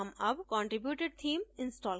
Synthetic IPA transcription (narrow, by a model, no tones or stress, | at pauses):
ɐmɐbkɔ̃ːɳʈɾɪbjuːʈeɖ̚t̪ʰĩːmɪ̃nsʈɔːl